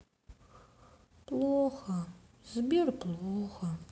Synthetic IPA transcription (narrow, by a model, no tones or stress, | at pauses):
pʼlˠoxɐ | zbʲerpʼlˠoxɐ